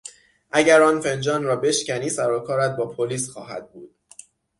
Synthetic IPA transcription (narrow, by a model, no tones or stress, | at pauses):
ʔæɟæɾɒːnfe̞nd͡ʒɒːnɾɒːbe̞ʃcæniːsæɾɒːkʰɒːɾæt̪̚bɒːpʰoliːsxɒːɦæ̰d̪̥̚buːd̪̥